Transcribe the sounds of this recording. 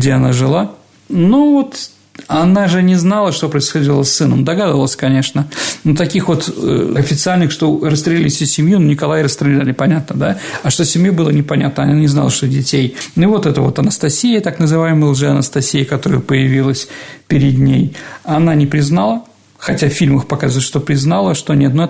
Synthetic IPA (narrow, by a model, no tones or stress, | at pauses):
ɡdʲeɐnaʐɨlˠa | novo̞t̪ | ɐnaʐɨnʲɪznalˠəʂt̪o̞pɾəɪsxɐdʲilˠəsːɨnəmd̪ɐɡad̪əvəlˠəsʲkɐnʲe̞ʂnənot̪ɐkʲixvo̞t̪ə̰ɐfʲɪt̪sɨalʲnɨxʂt̪o̞ɾəst̪ɾʲɪlʲilʲɪsʲsʲɪmʲjunonʲɪkɐlˠajɾəst̪ɾʲɪlʲɛlʲɪpɐnʲat̪nəd̪aɐʂt̪osʲɪmjubɨlˠənʲɪpɐnʲa̰t̪nəɐnnʲɪzna̰lˠəʂt̪odʲɪtʲejnʊivo̞t̪ɛt̪əvo̞t̪ɐnəst̪ɐsʲijət̪aknəzɨvajɪmɨlˠʐɨɐnəst̪ɐsʲijəkɐt̪o̞ɾɨjpəjɪvʲilˠəsʲpʲɪɾʲɪd̪nʲejɐnanʲɪpɾʲɪznalˠə | xɐtʲaffʲilʲməxpɐkazvlʲʂt̪o̞pɾʲɪznalˠəʂt̪o̞nʲet̪noɛ